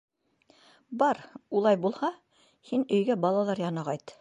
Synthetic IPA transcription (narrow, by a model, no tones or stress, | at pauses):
bɑɾulˠɑjbulˠhɑ | hinɵ̆jɡæbɑlˠɑlˠɑɾjɑnɑʁɑjt̪